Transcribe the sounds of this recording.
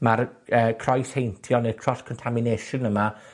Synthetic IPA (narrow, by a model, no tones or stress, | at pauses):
marəːkʰrɔjshejntʰjɔnəkʰrɔskʰɔntʰamɪneʃənəma